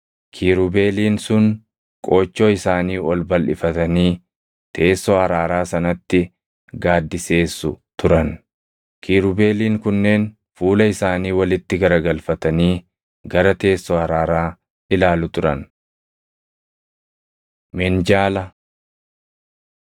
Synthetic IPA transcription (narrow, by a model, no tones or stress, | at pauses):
kʰiːɾʊbe̞ːliːnsʊn | kʼo̞ːt͡ʃːo̞ːɪsaːniːʔɔlbɐlʔɪ̰fɐt̪ɐniː | t̪ʰe̞ːsːohɐɾaːɾaːsɐnɐt̪ːɪ | ɡaːd̪ːɪse̞ːsːʊt̪ʊɾɐn | kʰiːɾʊbe̞ːliːŋkʊnːe̞ːn | fuːlɐɪsaːniːwɐlɪt̪ːɪɡɐɾɐɡɐlfɐt̪ɐniː | ɡɐɾɐt̪e̞ːsːɔhɐɾaːɾaː | ʔɪlaːlʊt̪ʊɾɐ̰n | mɛnd͡ʒaːlɐ